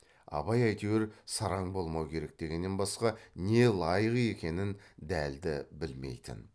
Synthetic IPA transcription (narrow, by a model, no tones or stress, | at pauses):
ɑ̰bɑjɑjt̪eweɾsɑɾɑɴbo̞lˠmɑwkʲʰe̞ɾe̞k̚d̪e̞ɡʲenːe̞nbɑsqɑne̞lˠɑjʁije̞kʲe̞nɪnd̪æld̪ɪbɪlme̞̰jt̪ɪ̰n